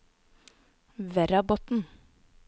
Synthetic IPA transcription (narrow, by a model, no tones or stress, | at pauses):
ʋɛɾɑbɔt̪n̩